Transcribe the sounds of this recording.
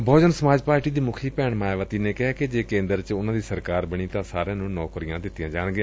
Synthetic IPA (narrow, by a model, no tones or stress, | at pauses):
bʱɔːd͡ʒənsəmaːd͡ʒpaːɾʈiːd̪iːmʊkʰiːpɛːɳmaːjʋət̪iːneːkɪɦaːked͡ʒeːkẽːnd̪əɾt͡ʃʊnãːd̪iːsəɾkaːɾbəɽiːt̪ãːsaːɾãːnũːnɔːkɾijãːd̪ɪt̪ːɪjãːd͡ʒaːɽ̃ɡɪjãː